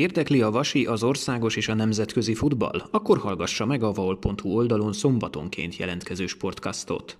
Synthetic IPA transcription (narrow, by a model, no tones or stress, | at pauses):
eːrd̪ɛkliɒvɒʃiʔɒzo̞rsaːɡo̞ʃeːʃɒnɛmzɛt̪kø̞zifud̪bɒ̰lɒkːo̞rhɒlɡɒʃːɒmɛɡɒvɒolpo̞nt̪huo̞ld̪ɒlo̞nso̞mbɒt̪o̞̰ŋkʰḛːnt̪jɛ̰lɛnt̪kɛzøːʃpo̞rt̪kɒ̰st̪o̞̰t̪